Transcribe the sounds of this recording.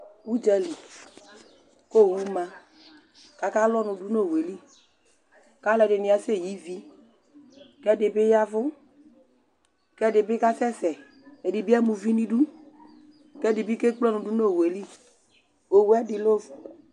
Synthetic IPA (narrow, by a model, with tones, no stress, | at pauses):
u˦d͡ʒɛ˦li˨ | ko˦˨wu˦ma˨ | ka˨ka˦lɔ˦nʊ̃˨du˦no˦˨we˨li˦ | ka˦lɛ˨dɪ˨nɪ˨a˨se˦˨ji˦vi˦ | kɛ˦˨dɪ˨bɪ˦ja˦vʊ˦ | kɛ˦dɪ˨bɪ˦ka˦sɛ˦sɛ˨ | e˨dɪ˨bi˦a˦mu˨vi˦nĩ˦du˦ | kɛ˦dɪ˨bi˦ke˦k͡plɔ˦nʊ̃˨du˦no˦˨we˨li˦ | o˨wɛ˦dɪ˨lo˦vʊ˨